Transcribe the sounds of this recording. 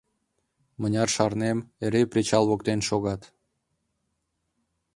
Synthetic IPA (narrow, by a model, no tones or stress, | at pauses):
mənʲɑrʃɑrnemeɾeprit͡ɕɑlˠβokt̪enʃoɣɑt̪